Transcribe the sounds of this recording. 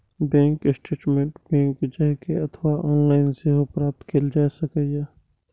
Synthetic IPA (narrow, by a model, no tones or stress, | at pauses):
bɛ̃ːŋkɪsʈeːʈmẽɳʈbɛ̃ːŋkd͡ʒɐɦkeɐt̪ʰʋaʔɔːnlaːɪnseɦopɾaːp̚t̪kʰeld͡ʒaːsɐkɛjɛː